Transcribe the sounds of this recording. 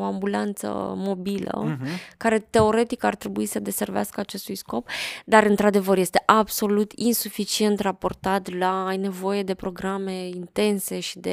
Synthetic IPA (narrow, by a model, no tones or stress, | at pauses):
oambulant̪sə̰mo̞bilə̰kaɾe̞t̪e̞o̞ɾe̞t̪ikart̪ɾe̞buisəd̪e̞se̞rvḛa̰skəat͡ʃe̞st̪ujsko̞pd̪aɾɨnt̪ɾad̪e̞vərje̞st̪e̞ʔabso̞lut̪insufit͡ʃie̞nt̪rapo̞rt̪at̪laːjne̞vo̞je̞d̪e̞pɾo̞ɡɾame̞int̪e̞nse̞ʃi̥d̪e̞